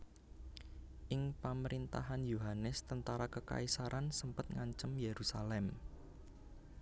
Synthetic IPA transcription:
ʔɪŋpaməɾint̪a̰ɦanjuɦanɛst̪ənt̪aɾakəka̰isaɾʔansəmpət̪̚ŋaɲt͡ʃəmjeɾusalɛm

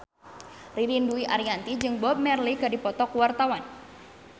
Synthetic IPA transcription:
rilinduiʔaɾiant̪id͡ʒɨŋbɔp̚mɛrliɡadipɔt̪ɔkuwart̪awan

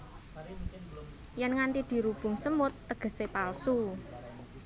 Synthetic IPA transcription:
jɛnŋant̪id̪̥i̤ɾub̥ʊ̤ŋsəmʊt̪ːəɡ̥ə̤sepalsu

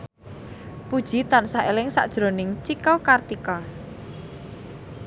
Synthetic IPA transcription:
pud̥ʒ̥i̤t̪ansaelɪŋsa̰ʔd̥ʒ̥ɾo̤nɪŋt͡ʃikɔkart̪ikɔ

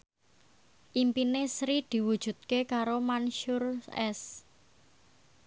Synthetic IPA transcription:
ʔimpinesɾid̪̥i̤wud̥ʒ̥ṳt̪̚kekaɾomanʃʊrɛs

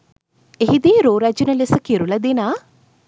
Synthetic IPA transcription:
eɦid̪iːɾoːɾæd͡ʒunəlesəkiɾulɐd̪enaː

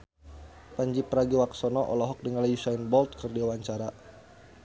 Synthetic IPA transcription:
paɲd͡ʒipəɾaɡiwaksɔnɔʔɔ̰lɔɦɔk̚dəŋalajusainbɔlt̪̚kərdiuwaɲt͡ʃaɾa

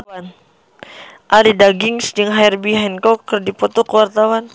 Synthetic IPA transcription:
an | ʔalidaɡiŋsd͡ʒəŋɦairbiɦɛnkɔkːərdipɔt̪ɔkəwart̪awan

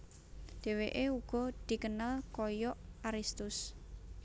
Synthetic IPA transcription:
d̪̥e̤weʔeuɡ̥ɔ̤d̪̥i̤kənalkɔjɔʔaɾist̪ʊs

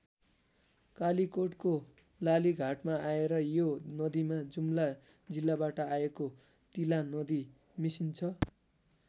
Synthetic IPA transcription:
kalikoʈko | laliɡʱaʈmaaeɾʌjonʌd̪imad͡zumla | d͡zilːabaʈʌajeko | t̪ilanʌd̪i | misint͡sʰʌ

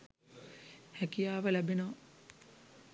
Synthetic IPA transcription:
hækijaːʋəlæbeno

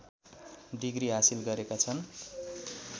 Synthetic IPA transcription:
ɖiɡriɦasilɡʌɾekat͡sʰʌn

